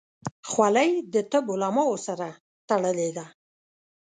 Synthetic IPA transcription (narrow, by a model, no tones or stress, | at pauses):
xwalajd̪ət̪əbolɑmɑwosaɾa | t̪aɽəled̪a